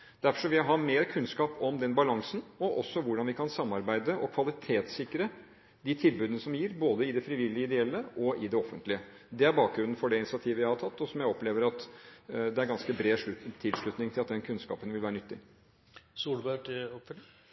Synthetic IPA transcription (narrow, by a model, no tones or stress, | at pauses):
d̪̥æɾfɔʂɔʋɪɑɦɑmeːɾəkʰʉnskɑːpɔmd̪ɛnbɑlɑŋsn̩ɔʔɔsːɔʋʊɖɑnʋɪkʰɑnsɑmːɑɾbæɪd̪əʔɔkʰʋɑlɪt̪ʰeːt̪sɪkːɾə | d̪it̪ʰɪlbʉːd̪ənəsɔmjiːɾboːd̪əɪd̪ɛfɾɪʋɪlːɪəɪd̪ɛɛlːəʔɔɪd̪ɛɔfːənt̪lɪə | d̪ɛæɾbɑːk̚ɡɾʉnːn̩fɔɖɛɪnɪsɪɑt̪ʰiːʋəjæɪhɑʈ̪ʰɑt̪ːɔsɔmjæɪɔpleːʋəɾɑt̪d̪ɛæɾɡɑnskəbɾeːʂʉt̪ʰɪlʂɭʉt̪nɪŋt̪ʰɪlɑt̪̚d̪ɛnkʰʉnskɑ̰ːpənʋɪlʋæːɾənʏt̪ːɪ | suːlbækɔpf